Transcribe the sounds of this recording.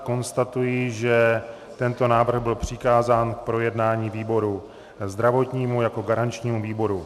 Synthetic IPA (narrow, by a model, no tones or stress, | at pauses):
ko̞nst̪at̪ujiʒɛ | t̪ɛnt̪o̞naːvr̩ɣbɪlpr̝̥ɪkaːzaːnk̚pɾo̞jɛdnaːɲiːviːbo̞ɾu | zd̪ɾavo̞t̪ɲiːmujako̞ɡaɾant͡ʃɲiːmuviːbo̞ɾu